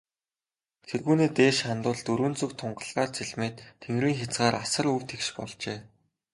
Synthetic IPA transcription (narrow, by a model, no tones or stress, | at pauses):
t̪ʰerɣuːneːt̪eːʃχant̪ʊːɮt̪ɵɾwɵ̆nt͡sɵ̆k̚t̪ʰʊɴɢə̆ɮʁaːrt͡sʰiɮmeːt̪ʰːeŋriːŋxʲat͡sɢaːɾasə̆ɾɵw̥t̪ʰekʃpɔ̰ɮt͡ɕeː